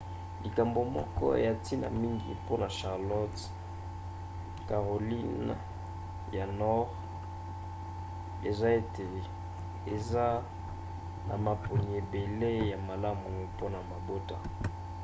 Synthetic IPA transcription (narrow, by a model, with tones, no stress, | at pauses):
li˨ka˨mbo˨mɔ̰˦kɔ̰˦ḛ˨ja˨ti˦na̰˨mi˦ŋɡḭ˨po˦na˨ʃa˨ʁlɔ˦t | ka˨ʁo˨li˦n | ja˨nɔ˦ʁ | ḛ˨za˦e˨te˨ | e˨za˦ | na̰˨ma˨po˨ni˨e˨be˨le˦ja˨ma˨la˦mu˨u˨po˦na˨ma˨bo˦ta˨